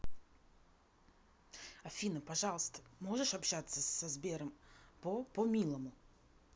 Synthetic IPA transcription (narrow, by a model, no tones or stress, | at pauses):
ɐfʲinəpɐʐɑlˠəst̪ə̥moʐɨʂɐpɕat̪səsɐzbʲeɾəmpopomʲilˠəmʊ